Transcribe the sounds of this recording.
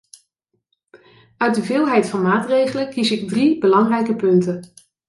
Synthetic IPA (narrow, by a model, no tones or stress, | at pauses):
œɥt̚dəvɪːlˠɦɛjtfɑnmaːtrejχələkisɪɡ̚dribəlɑŋrɛjkəpɵntən